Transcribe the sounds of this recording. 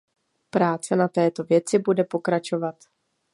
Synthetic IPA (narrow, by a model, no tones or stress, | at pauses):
pɾaːt͡sɛnat̪ɛːt̪o̞vjɛt͡sɪbudɛpo̞kɾat͡ʃo̞vat̪